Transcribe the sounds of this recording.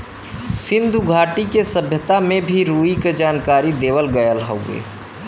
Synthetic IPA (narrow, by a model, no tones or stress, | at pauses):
sɪ̃nd̪ʱuɡʱaːʈikesəbʱjət̪amẽbʱiɾuːiked͡ʒaːnkaːɾid̪eːʋəlɡəjəlɦoɡḛː